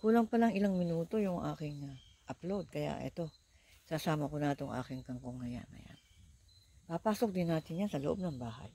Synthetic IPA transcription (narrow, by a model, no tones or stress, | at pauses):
kuːlɐŋpɐlɐŋɪlaŋmɪnuːt̪o̞jʊŋʔa̰ːkɪŋ | ʔɐplowd̪̚kɐja̰ʔɛ̰t̪o̞ | sɐsaːmɐkonaːt̪oŋʔa̰ːkɪŋkɐŋkoŋːɐja̰nːɐ̰ja̰n | papaːsok̚d̪ɪnːaːt̪ɪnjansɐloʔob̚nɐŋbaːɦa̰j